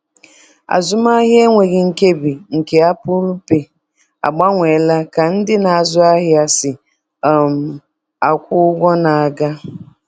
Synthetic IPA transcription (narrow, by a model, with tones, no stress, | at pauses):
a̰˨zʊ˦ma˦ɦje˦ŋʷe˨ɣɪ˨ŋ̩˨ke˦bi˨ŋ̩˨ke˨a˦pʊ˦ɾu˦pe˨ | a̰˨ɡ͡ba˦ŋʷe˨la˦ka˨n̩˦dɪ˦na˨a˨zʊ˦a˦ɦɪ˦a˦sɪ˨ | m˨ | a˨kʷʊ˦ɡʷɔ˦na˨a˨ɡa˦